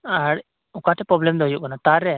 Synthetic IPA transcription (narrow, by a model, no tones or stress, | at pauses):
aɽ | ɔkaʈʰɛpɾɔblɛmd̪ɔɦɔjuʔkanat̪aɾːɛ